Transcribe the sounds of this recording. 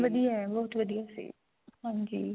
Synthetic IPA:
ʋɐd̪ijaɛbɐɦʊt̪ʋɐd̪ijasḭː | hãnd͡ʒḭ

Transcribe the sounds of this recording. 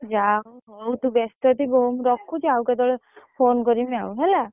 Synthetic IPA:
d͡ʒawɦɔwt̪ubest̪ɔt̪ibɔɦumɾɔkʰːut͡ʃawkɛd̪ɔɭepʰonkɔɾimeawɦɛla

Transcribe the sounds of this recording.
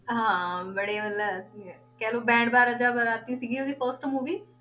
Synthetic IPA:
ɦãːbəɽeːmələi | kɛːloːbɛ̃ːɳɖbaːɾəd͡ʒaːbəɾaːt̪iːsiːɡiːoːd̪iːkɔːsʈəmɦoːɡiː

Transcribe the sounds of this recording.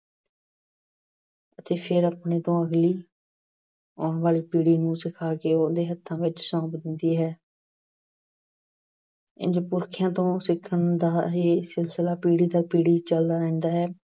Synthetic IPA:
ət̪eːpʰɪɾapɳeːt̪õːəɡliː | ɔːɳʋaːliːpiːɽiːnũːsɪkʰaːkeːoːd̪eːɦət̪ʰːãːʋɪt͡ʃsɔ̃ːpd̪ɪ̃nd̪iːɦɛː | ɪ̰nd͡ʒpʊɾkʰɪjãːt̪õːsɪkʰːəɳd̪aːɦeːsɪlsəlaːpiːɽiːd̪aːpiːɽiːt͡ʃəld̪aːɾɛ̃ːnd̪aːɦɛː

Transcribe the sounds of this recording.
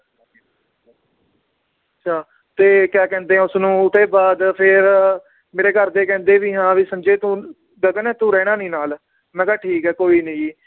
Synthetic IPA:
ətːʃʰaː | t̪eːkɛːkɛ̃ːnd̪eːɛ̃ːʊsnũːʊt̪eːbaːd̪pʰɪɾ | meːɾeːkəɾd̪eːkɛ̃ːnd̪eːʋiːɦãːʋiːsəmd͡ʒeːt̪ũː | d̪əɡənɛ̃ːt̪ũːɾɛːɽãːnĩːnaːl | mɛ̃ːkaːʈʰiːkɦɛːkoːiːnəĩː

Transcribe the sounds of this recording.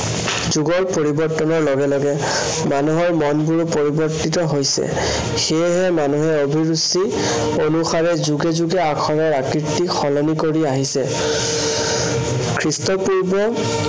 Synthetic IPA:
zuɡɔɹpoɹibɔɹtːɔnɔɹlɔɡɛlɔɡɛ | manuɦɔɹmɔnbuɹupoɹibɔɹtitɔɦojsɛ̰ | xejɦɛmanuɦɛobʱiɹusi | onuxaɹɛzuɡɛzuɡɛakʰɔɹɔɹakitːixɔlɔnikoɹiaɦisɛ | kʰɹistɔpuɹbɔ

